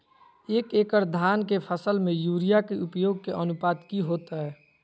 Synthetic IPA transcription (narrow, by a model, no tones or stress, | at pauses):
eːkeːkəɾd̪ʱaːnkepʰəsəlmẽjuːɾijakeʔʊpjoːɡ̚keʔənʊpaːd̪kiɦoːt̪aɦɛː